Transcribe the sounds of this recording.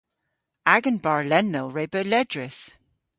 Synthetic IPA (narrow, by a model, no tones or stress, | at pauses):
aɡə̃nbaɹlɛnːowɹeːbəlɛdɹɪs